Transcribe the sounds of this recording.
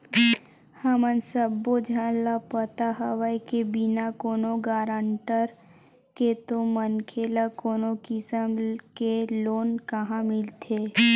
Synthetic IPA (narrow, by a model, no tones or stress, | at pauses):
həmənsəbːod͡ʒʱãlapət̪aɦəʋəikebɪnakoːnoɡaːɾãɳʈəɾ | ket̪omənkʰeːlakoːnokɪsəmkeloːnkəɦãmɪlt̪ʰeː